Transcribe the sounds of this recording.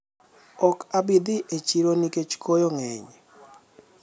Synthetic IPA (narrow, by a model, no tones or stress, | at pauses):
ɔkabid̪iʔet͡ʃiɾoniket͡ʃkʰojoŋɛɲ